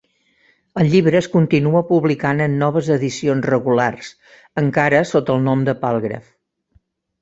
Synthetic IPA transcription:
əlˠʎiβɾəːskunt̪inuəpuβlikanənːɔβ̞əzəðisionzrəɣulars | əŋkaɾəsot̪əːlˠnɔmd̪əpalˠɣɾə̰f

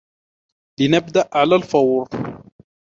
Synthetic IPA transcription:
lɪnabd̪aʔʕalaːlfɑwɾ

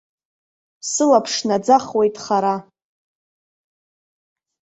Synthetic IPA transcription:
sɨlapʰʂnad͡zaχwe̞jtʼχaɾa

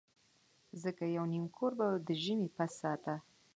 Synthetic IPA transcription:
zəkajawnimkʰoɾbad̪əʒəmepasːɑt̪a

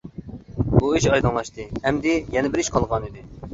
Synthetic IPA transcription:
buiʃɑjd̪ɨŋlˠɑʃt̪ɨhɛmd̪ɪjɛnɪbɪɾiʃqʰɑlˠʁɑnid̪ɪ

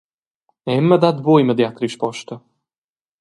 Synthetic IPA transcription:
ɛmːəd̪ad̪bujməd̪jat̪ɾiʃpɔʃt̪ə

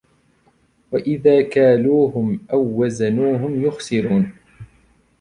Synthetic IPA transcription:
waʔɪðaːkaːluːhʊmʔawːazanuːɦʊmjʊxsɪɾuːn

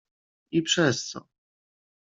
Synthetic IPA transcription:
ipʂɛst̪sɔ̰

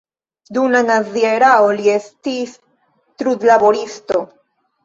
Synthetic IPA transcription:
d̪unanazieɾaoliestis | t̪ɾud̪labo̞ɾisto̞

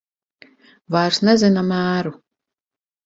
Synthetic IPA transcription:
vajɾsnezinamæːɾu

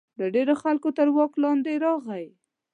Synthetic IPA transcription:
ləɖeɾoxalkot̪əɾwɑklɑnd̪eɾɑɣaj

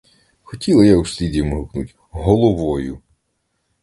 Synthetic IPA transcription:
xɔtʲilˠɐjausʲlʲidʲijmʊɦʊknutʲ | ɦɔlˠɔʋɔjʊ

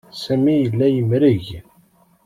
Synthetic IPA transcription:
sæmijəlːæjəmɾəʝ

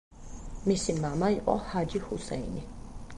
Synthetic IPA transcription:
misimamaiqʼɔ̰had͡ʒihusɛ̰jni

